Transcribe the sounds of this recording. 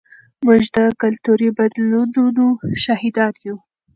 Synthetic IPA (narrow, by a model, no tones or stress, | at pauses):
muʒd̪əkalt̪uɾibad̪lud̪unuʃahid̪ɑnju